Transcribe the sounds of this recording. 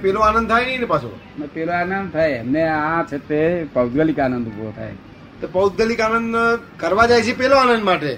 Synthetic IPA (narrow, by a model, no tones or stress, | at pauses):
pɛloanə̃nd̪̚t̪ʰajnəɦinepasʰo̰ | mepeloaːnənd̪̚t̪ʰajeɛmneãt͡ʃʰet̪epəwd̪ɡəlikanənd̪ukʋo̰t̪ʰa̰j | t̪opəwd̪ɡəlikanənd̪ | kəɾʋad͡ʒajt͡ʃʰepɛloanənd̪maʈe